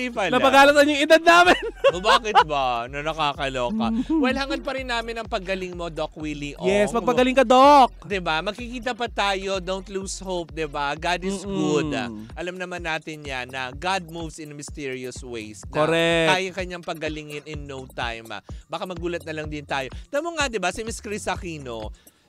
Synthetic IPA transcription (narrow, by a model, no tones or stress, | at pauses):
ipalnɐpɐɡaːlɐsɐnʊŋɪd̪ad̪̚naːmɪnobaːkɪt̪̚bɐnɐnɐkakɐloːkɐ̰wɛlhɐŋɐd̪̚pɐɾɪnːaːmɪnɐŋpɐɡ̚ɡɐlɪŋmo̞d̪ok̚wiliʔojɛsmɐɡpɐɡɐlɪŋkɐd̪ok̚d̪ɪbamɐɡ̚kikiːt̪ɐpɐt̪aːjo̞d̪ownt̪luːshop̚d̪ɪbaɡad̪ɪsɡʊd̪a̰ʔɐlɐmnɐmanːaːt̪ɪnɲanːɐɡad̪̚muvsɪnmɪst̪ɛɹioswḛjsnoɾɛʔaːjokɐɲaŋpɐɡɐlɪŋɪnɪnːowt̪a̰jma̰bakamɐɡuːlɐt̪̚nɐlɐŋd̪ɪnt̪aːjo̞t̪ɐmoŋad̪ɪbasɪmɪskɾɪsɐkiːno